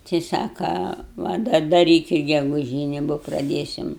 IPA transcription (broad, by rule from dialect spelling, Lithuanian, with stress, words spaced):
tɐɪ ˈsɑːkɐ ˈʋɐ dɐr dɐˈrʲiːkʲɪt ɡʲɛɡʊˈʒʲiːnʲɪ boː prɐˈdʲeːsʲɪm